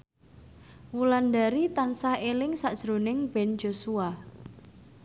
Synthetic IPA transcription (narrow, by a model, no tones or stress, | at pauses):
wuland̪aɾit̪ansahelɪŋsaʔd̥ʒ̥ɾonɪŋb̥ɛnd͡ʒo̤sua